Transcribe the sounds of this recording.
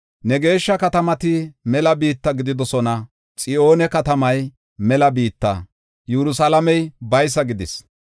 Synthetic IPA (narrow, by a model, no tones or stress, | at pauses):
nɛɡe̞ːʃːɐkɐt̪ɐmɐt̪ɪmɛlɐbiːt̪ːɐɡɪd̪ɪd̪ɔsɔnɐ | t͡sʼɪʔo̞ːnɛkɐt̪ɐmɐj | mɛlɐbiːt̪ːɐ̰ | jɛɾʊsɐlɐmɛjbɐjs̬ːɐɡɪd̪ɪs